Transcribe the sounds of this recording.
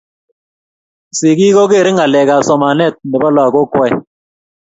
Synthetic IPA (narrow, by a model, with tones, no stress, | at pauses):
sɪ˨ki˦kɔ˦ke˦˨ɾɪ˦ŋa˨lɛ˨ka˨sɔ˨ma˨nɛ˦˨t̚nɛ˨bɔ˦la˨ko˦kwɛ˦